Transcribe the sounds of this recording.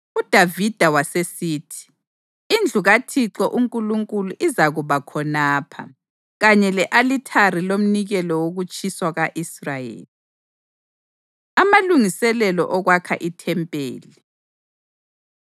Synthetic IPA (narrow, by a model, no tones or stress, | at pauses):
ud̥ʱavid̥ʱawasesiːtʰi̥ː | nd͡ɮʱuɣatʰiǁɔʔuŋkʼuluŋkʼuluʔizaɣuβakʰɔnaːpʰa̰ | ɣaɲɛlɛʔalitʰarilom̩niɣɛlɔwoɣut͡ʃʼiswaɣaʔisrajḛːli | amaluŋisɛlɛlɔ̰ʔɔɣwakʰa̰ʔitʰɛmpʼḛːli